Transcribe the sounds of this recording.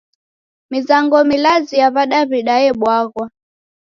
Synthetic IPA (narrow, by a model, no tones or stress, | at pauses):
mizaŋɡɔmilazijaβaɗaβiɗajɛɓwaɣwa